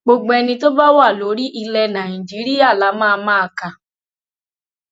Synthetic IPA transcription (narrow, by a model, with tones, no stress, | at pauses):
ɡ͡bo˧ɡ͡bɛ˧nĩ˧to˦ba˦wa˦˨lo˨˦ɾi˦ʔi˧lɛ˧nã˨ĩ˨d͡ʒi˨˦ɾi˦ja˦˨la˨˦mãː˦˧mãː˦˧˨kã˧˨